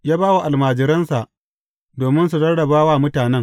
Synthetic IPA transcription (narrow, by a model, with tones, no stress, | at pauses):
jaː˦baː˦wa˨ʔa˨lmaː˨d͡ʒɪ˨ɾɐ˦nsa˨ʔ | doː˨mɪ˦ns̬u˨tɐ˦rdɐ˨baː˦waː˦˨mʊ˦taː˨nɛ˦ŋ